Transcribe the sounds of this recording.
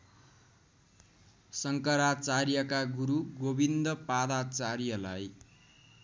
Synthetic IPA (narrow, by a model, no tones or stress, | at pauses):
sʌŋkʌɾat͡sarjʌkaɡuɾuɡobind̪ʌpad̪at͡sarjʌlaj